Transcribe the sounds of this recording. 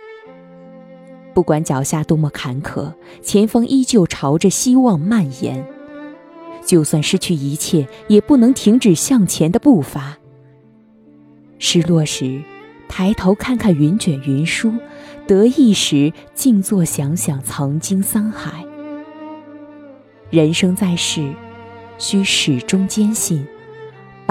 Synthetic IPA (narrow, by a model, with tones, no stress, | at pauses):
pu˥˩kwa˧˥nt͡ɕjɑ˨˩ʊɕja˥˩t̪o˥mɔ˥˩kʰa˧˥nkʰɤ̰˨˩˦ | t͡ɕʰjɛ˧˥nfɑ˥ŋʔi˥t͡ɕjo˥˩ʊʈ͡ʂʰɑ˧˥ʊʈ͡ʂə˧ɕi˥wɑ˥˧ŋma˥˩njɛ̰˧˥n | t͡ɕjo˥˧ʊswa˥˩nʂɻ̩˥˧t͡ɕʰy˥˩i˧˥t͡ɕʰjɛ˥˩jɛ˨˩pu˥˩nɤ˧˥ŋt̪ʰi˧˥ŋʈ͡ʂɻ̩˨˩ɕjɑ˥˩ŋt͡ɕʰjɛ˧˥nd̪ə˧pu˥˩fa˧˥ | ʂɻ̩˥˩lwɔ˥˩ʂɻ̩˧˥ | t̪ʰa˧˥ɪt̪ʰo˧˥ʊkʰa˥˧nkʰa˥˩nɥy˧˥nt͡ɕɥɛ˨˩nɥɛ˧˥nʂu˥t̪ɤ˧˥i˥˩ʂɻ̩˧˥t͡ɕi˥˧ŋt͡swɔ˥˩ɕjɑ˧˥ŋɕjɑ˨˩ŋt͡sʰɑ˧˥ŋt͡ɕi˥ŋsa˥nxa˨˩˦ɪ | ɻə˧˥nʂɤ˥ŋt͡sa˥˧ɪʂɻ̩˥˩ | ɕy˥ʂɻ̩˨˩ʈ͡ʂʊ˥ŋt͡ɕjɛ˥nɕi˥˩n